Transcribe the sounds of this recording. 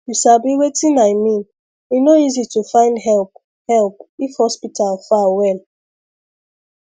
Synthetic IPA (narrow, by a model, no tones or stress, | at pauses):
juʃabiwetinaɪmĩn | inoizitufãɪ̃ndɦɛlp̚ | hɛlp̚ifhɔspitʰalfawɛl